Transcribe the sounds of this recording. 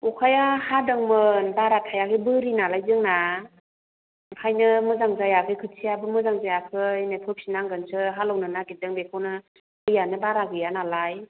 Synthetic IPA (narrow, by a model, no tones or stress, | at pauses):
ukʰajahadɯŋmɯnbaɾatʰajakʰɯbɯɾinalajzɯŋna | kʰajnɯmɯzaŋzajakʰɯjkʰɯsʰiabɯmɯzaŋzajakʰɯjnepʰɯpsinaŋɡɯnsʰɯɦalɔwnɯnaɡidɯŋbekʰonɯ | ɯjanɯbaɾaɡɯjanalaj